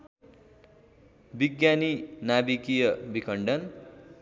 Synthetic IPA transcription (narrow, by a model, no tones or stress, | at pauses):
biɡjaninabikijʌbikʰʌɳɖʌn